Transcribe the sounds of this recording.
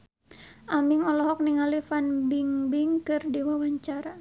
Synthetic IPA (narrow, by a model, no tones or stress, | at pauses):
ʔamiŋɔlɔɦɔk̚niŋalifanbiŋbiŋkɨrdiwawaɲt͡ʃaɾa